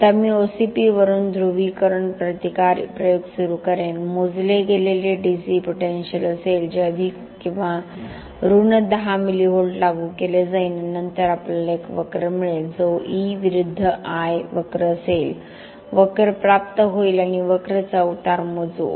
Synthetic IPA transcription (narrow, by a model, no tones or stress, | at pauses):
t̪əmiːosipiʋəɾuːnd̪ʱɾuʋikəɾəɳpɾət̪ikaɾpɾəjoɡsuɾukəɾenmod͡zleɡʱeleleɖisipoʈenɕələseld͡ʑeəd̪ʱik | kĩw̃ʋa | ɾuɳəd̪əɦamiliːɦoɭʈlaɡukeled͡zainnənt̪əɾaplalekʋəkɾəmiɭeld͡zoiʋiɾud̪ʱːəʔajʋəkɾəəsel | ʋəkəɾpɾap̚t̪əɦoilañiʋəkɾət͡sauʈaɾmod͡zṵ